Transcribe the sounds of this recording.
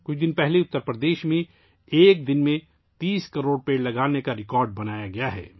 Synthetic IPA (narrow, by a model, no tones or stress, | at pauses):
kʊt͡ʃʰd̪ɪnpɛɦleʊt̪ːəɾpɾəd̪eːʃmẽ | eːk̚d̪ɪnmẽ | t̪iːskɐɾoːɽpeːɽlɐɡaːnekaɾɪkɔːɾɖ̚bɐnaːjaɡɐjaɦɛ̰ː